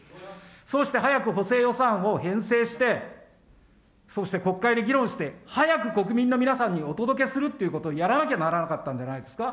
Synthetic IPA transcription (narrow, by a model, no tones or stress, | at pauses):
so̞ːɕi̥t̪e̞ɦajakɯ̟ɦo̞se̞ːjo̞sãɰ̃o̞hẽ̞ɰ̃se̞ːɕi̥t̪e̞ | so̞ːɕi̥t̪eko̞kːaid̪e̞ɡʲiɾõɰ̃ɕi̥t̪e̞hajakɯ̟ko̞kɯ̟mʲĩnːo̞mʲinasãɲ̟ːio̞t̪o̞d̪o̞k̬e̞sɨɾɯ̟t̪ːe̞iɯ̟ko̞t̪o̞ːjaɾanakʲebanaɾanakat̪ːãɲ̟d͡ʑanaid̪e̞sɨ̥ka